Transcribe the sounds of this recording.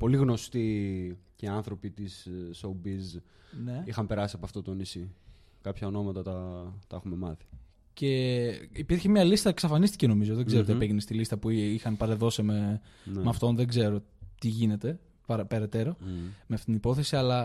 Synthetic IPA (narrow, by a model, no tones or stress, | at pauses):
po̞liɣno̞st̪iceiɐnθɾo̞pit̪isːoubiz | neixɐmpe̞ɾɐsiɐpoɐft̪o̞t̪o̞nisi | kɐpçɐono̞mɐt̪ɐt̪ɐt̪ɐexume̞mɐθi̥ | ce̞ipiɾçemɲɐlist̪ɐksɐfɐnist̪i̥ceno̞mizo̞ðe̞ɡzeot̪iɐpeʝenest̪ilist̪ɐpuixɐnpɐɾeðo̞sime | nmeɐft̪o̞nðe̞ɡze̞ɾo̞ | t̪iʝine̞t̪e̞ | pɐɾpe̞ɾe̞t̪e̞ɾo̞meɐft̪it̪inipo̞θe̞siɐlɐ